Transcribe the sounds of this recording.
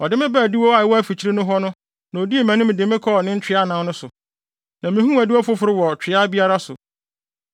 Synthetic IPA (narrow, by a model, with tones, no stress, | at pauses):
ɔ˨dɪ˦mɪ̃˦bɛ˦˨di˦wɔ˦a˦˨ɪ˨wɔ˦æ˦fi˨t͡ɕʰi˦ɾi˦nʊ̃˦ɦɔ˦nʊ̃˦ | nã˨o˨di˦e˨mæ̃˨nʊ̃˦mɪ̃˨dɪ˨mɪ̃˦kʰɔ˦˨nɪ̃˦n̩˦t͡ɕᶣɪ˨˦a˦nã˨˦nʊ̃˦sʊ˨ | nã˨mĩ˨hũ˦æ˨di˦wɔ˦fʊ˦fʊ˨ɾɪ˦wɔ˨t͡ɕʰᶣɪ˨a˦bi˦a˦ɾa˦sʊ̰˨